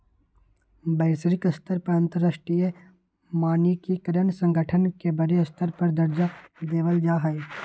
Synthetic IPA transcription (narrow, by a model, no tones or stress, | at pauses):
bəɪsɾɪkɐst̪əɾpəɾə̃nt̪əɾəsʈɾije | maːnikikəɾənsə̃ŋɡʱəʈʰənkebəɾeɐst̪əɾpəɾd̪əɾd͡ʒad̪eːʋəld͡ʒaːɦɛe